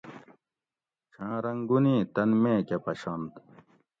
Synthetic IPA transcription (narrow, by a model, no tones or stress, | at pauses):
t͡ɕʰãːɾɐŋɡunĩːt̪ɐnmẽːkepɐɕɐnt̪